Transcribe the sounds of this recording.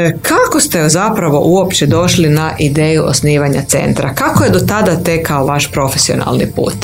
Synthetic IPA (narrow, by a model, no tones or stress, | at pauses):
kʰakost̪ezapɾaʋo̞̰ʔuo̞pt͡ɕed̪o̞ʃlinaʔid̪e̞ːjuʔo̰sniːʋaɲat̪se̞̰nt̪ɾakakoje̞d̪o̞t̪ad̪at̪ekaoʋaʃpɾo̞fe̞sio̞̰na̰lnḭpṵːt̪